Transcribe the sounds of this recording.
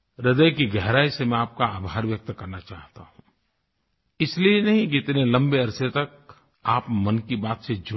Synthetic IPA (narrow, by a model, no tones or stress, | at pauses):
ɾɪd̪əjkiɡɛɦɾaːisemɛ̃aːp̚kaaːbʱaːɾʋjɐk̚t̪kɐɾnat͡ʃaːɦt̪a̰ɦũː | ɪslienɐɦĩkɪt̪nelɐ̃mbeɐɾset̪ɐk̚ | aːpmɐnkibaːt̪sed͡ʒʊ